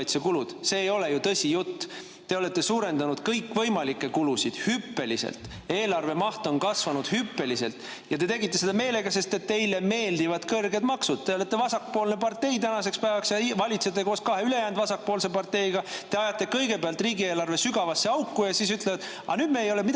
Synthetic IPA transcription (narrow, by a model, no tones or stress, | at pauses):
jt̪sekulud̪̥se̞ːjo̞le̞jut̪ɤsʲijut̪ː | t̪e̞o̞le̞t̪ːˑe̞suːɾe̞nd̪ɑnud̪̥kɤjkːvɤjmɑlikːˑe̞kulusid̪̥hypːe̞lisḛlt̪ | e̞ːlɑrve̞mɑht̪onkɑsvɑnud̪̥hypːe̞lise̞lt̪ | jɑt̪e̞t̪e̞ɡit̪ːˑe̞se̞d̪̥ɑme̞ːle̞ɡ̥ɑse̞st̪e̞t̪t̪ːe̞jle̞me̞ːld̪ivɑd̪̥kɤrɡe̞d̪mɑksud̪̥̚t̪eo̞le̞t̪ːe̞vɑsɑkːpo̞ːlnepɑrt̪e̞jt̪ænɑse̞kspæevɑksjɑivɑlʲit̪set̪ːˑekoːskɑɦe̞yle̞jæːnd̪vɑsɑk̚po̞ːlse̞pɑrt̪e̞jɡ̥ɑt̪e̞ɑjɑt̪ːˑe̞kɤjɡe̞peɑlt̪ˑriːɡieːlɑrve̞syɡ̥ɑvɑsːe̞ɑwkːˑujɑsiːs̬yt̪ˑlevɑd̪ | ɑ̰nyːd̪̥meejo̞lemi